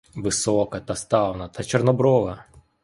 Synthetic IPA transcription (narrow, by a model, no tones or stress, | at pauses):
ʋɪsɔkɐt̪ɐst̪ɑwnɐt̪ɐt͡ʃernɔbɾɔʋɐ